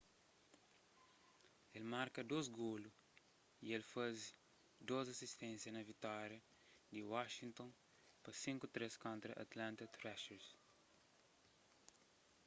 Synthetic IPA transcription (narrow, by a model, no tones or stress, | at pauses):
elmaɾkɐd̪ozɡolu | ielfaz | d̪ozɐsist̪ẽnsjɐnɐvit̪ɔɾjɐ | d̪iwaʃĩnt̪õn | pɐsĩŋkut̪ɾeskõnt̪ɾɐʔɐ̰t̪lãnt̪ɐt̪ɾɛʃɛɾs